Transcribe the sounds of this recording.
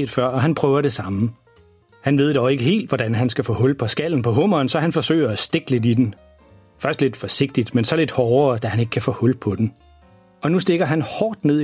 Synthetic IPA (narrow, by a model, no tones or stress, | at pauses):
d̥fɶɐ̰ɒ̽ɦænpʰʁœːʊɐɾe̝sɑ̈mə | hænʋe̝ð̞̰ˠd̥ɒʊe̝ɡ̥əɦe̝̰ːld̥ʋɒdænɦænsɡ̥æfɔ̰̽hɔ̽lpʰɒ̽sɡ̥æl̰n̩pʰɒ̽ɦɔ̽m̰ɐːnsɒ̽hænfɒ̽sø̰ːɪɐæsd̥e̝ɡ̥le̝d̥id̥en | fɶɐsd̥le̝d̥fɒ̽se̝ɡ̥̚d̥id̥mensɒ̽le̝d̥hɒːɐːd̥æhæne̝ɡ̥ə̥kʰæfɔ̰ːhɔ̽lpʰɒ̽d̥em | ɒ̽nusd̥e̝ɡ̥ɐɦænhɒːd̥ne̝ð̰ˠ